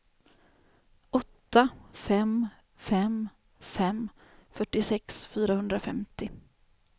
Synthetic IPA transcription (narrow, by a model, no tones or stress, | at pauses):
ʔɔt̪ːafɛm | fɛm | fɛm | fœʈːɪsɛksfyːɾahɵnd̪ɾafɛmt̪ɪ